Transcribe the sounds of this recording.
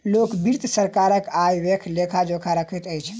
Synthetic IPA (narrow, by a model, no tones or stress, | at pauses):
lokbiɾt̪səɾkaɾəkajʋekʰlekʰad͡ʒokʰaɾəkʰit̪əjt͡ʃʰ